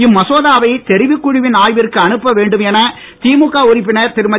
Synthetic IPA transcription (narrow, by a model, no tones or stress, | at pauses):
ɪmːɐsoːðaːʋɐɪt̪ɛɾɪʋɪkːʊɻɪʋɪnaːjʋɪrkːɯɐnɯpːɐʋeːɳɖɯmɛnɐ | t̪iːmʊkːaːʊɾɪpːɪnɐɾt̪ɪɾɯmɐ